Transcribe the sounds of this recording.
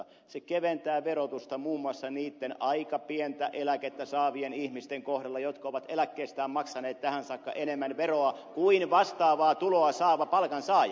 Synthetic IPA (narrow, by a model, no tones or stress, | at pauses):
sekeʋent̪æːʋeɾot̪ust̪ɑmuːmːuɑsːɑniːt̪ːenʔɑikɑpient̪æʔelæket̪ːæsɑːʋienihmist̪eŋkohdɑlːɑjot̪kɑoʋɑt̪elækːeːst̪æːmmɑksɑneːt̪t̪æhænsɑkːɑ̰ʔenemːænʋeroɑkuinʋɑst̪ɑːʋɑːt̪uloɑsɑːʋɑpɑlkɑnsɑːj